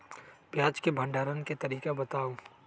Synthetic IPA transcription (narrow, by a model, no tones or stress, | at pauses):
pjaːd͡ʒkebʱə̃ɳɖaːɾənket̪ɐɾiːkabɐt̪aːo